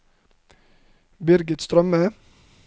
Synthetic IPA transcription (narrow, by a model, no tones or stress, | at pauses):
bɪɾɡət̪st̪ɾœmə